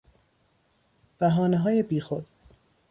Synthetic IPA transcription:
b̥æɦɒːneɦɒːje̞biːxo̞d̪̥̚

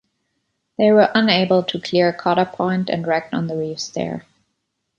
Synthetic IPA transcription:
ðeɪwə˞ʔʌ̃neɪbəl̩ˠtʰukʰl̥ɪɹkʰɔɾəpʰɔ̃ɪ̃ntɨ̰̃nɹɛk̚tə̰̃n̩ðəɹiːfstɛ̰ɹ

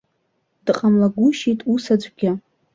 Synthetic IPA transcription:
d̥qʼamlaɡʷʊʃitʼusad͡ʒʷʼɡʲɪ

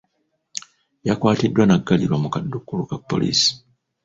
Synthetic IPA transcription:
jakwaːtidːwanaɡːaliɾwamukadːukːulukapːo̞̰lḭːsi̥

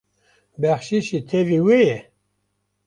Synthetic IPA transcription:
bæχʃiʃit̪ʰeviwejɛ

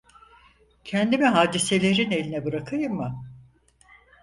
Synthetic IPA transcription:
cʰɛnd̪imiɦaːd̪ise̞lʲe̞ɾine̞lʲinɛbɯɾakʰɯjɯmːɯ

